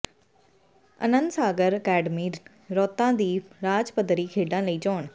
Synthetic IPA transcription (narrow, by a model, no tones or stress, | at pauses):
ɐ̰nə̃nd̪saːɡəɾkɛːɖmiːɾː | ɔːt̪ãːd̪iːɾaːd͡ʒpəd̪ʱəɾiːkʰeːɖãləiːt͡ɕoːɽ̃